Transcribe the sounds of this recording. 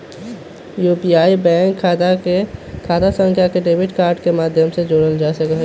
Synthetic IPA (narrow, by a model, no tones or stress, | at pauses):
jupiaːibɛ̃ŋkʰd̪ | kʰaːd̪asə̃ŋkʰjakeɖeːbɪʈkaːɾɖkemaːd̪ʱjəmsed͡ʒoːɽəld͡ʒasəkɦ